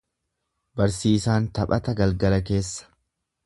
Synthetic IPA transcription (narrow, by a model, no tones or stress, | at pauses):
bɐɾsiːsaːnt̪ɐpʼɐt̪ɐɡɐlɡɐlɐke̞ːsːɐ̥